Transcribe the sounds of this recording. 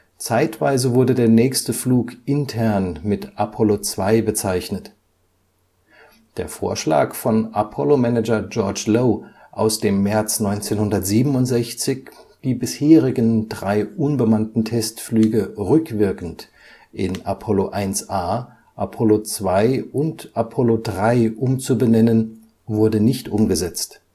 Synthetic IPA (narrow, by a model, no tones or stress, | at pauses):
t͡saɪtv̥a̰ɪzəvʊɐdədeːɐnɛːçstəfluːkʔɪntʰɛɐnmɪtʔapʰɔlot͡sv̥aɪbət͡saɪçnət | d̥eːɐfo̰ːɐʃla̰ːkfɔnapʰɔlomɛnɛd͡ʒɐd͡ʒɔɐt͡ʃloː | ʔaʊsd̥eːmːɛɐt͡snɔʏnt͡seːnhʊndɐtz̥iːbm̩ʊntz̥ɛçt͡sɪçd̥iːbɪsheːʁɪɡəndʁaɪʔʊnbəmantn̩tʰɛstflyːɡəʁʏkv̥ɪɐkn̩t | ʔɪ̰na̰pʰɔloʔaɪnsʔaː | ʔapʰɔlot͡sv̥aɪʔʊntʔapʰɔlodʁaɪʔʊmt͡subənɛnən | vʊɐdənɪçtʔʊmɡəzɛt͡st